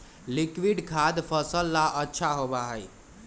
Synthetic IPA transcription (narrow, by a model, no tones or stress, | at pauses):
likwiɖkʰad̪pʰəsəlːaʔətːʃʰaɦobaɦəj